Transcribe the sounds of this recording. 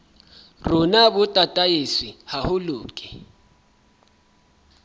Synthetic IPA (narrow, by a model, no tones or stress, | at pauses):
runaɓutʼatʼajisihahuluːkʼi